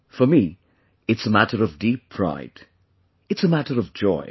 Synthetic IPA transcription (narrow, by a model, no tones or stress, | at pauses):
fəmi | ɨtsəmætəɹʌvdipʰɹ̥a̰ɪd̥ | ɨtsəmætəɹʌvd͡ʒɔ̰ɪ